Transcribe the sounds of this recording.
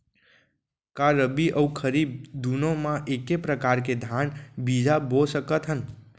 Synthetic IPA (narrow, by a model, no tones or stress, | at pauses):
kaɾəbiʔəukʰəɾiːb̚d̪unõmãʔekepɾəkaɾked̪ʱjanbid͡ʒabosəkət̪ɦən